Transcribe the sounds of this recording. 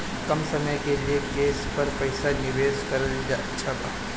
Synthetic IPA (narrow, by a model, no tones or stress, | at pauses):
kɐmsɐməjkeliekeːspɐɾpɐɪsanɪʋeːskɐɾəld͡ʒatːʃʰapaː